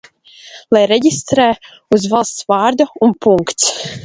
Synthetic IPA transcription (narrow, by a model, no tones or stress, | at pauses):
lˠajɾɛɟʲist̪ɾɛː | uzvalˠst̪svɑːɾd̪uunpuŋkt̪s